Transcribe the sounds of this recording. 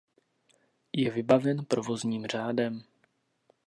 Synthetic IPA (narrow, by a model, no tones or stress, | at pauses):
jɛvɪbavɛnpɾovo̞zɲiːmr̝aːdɛm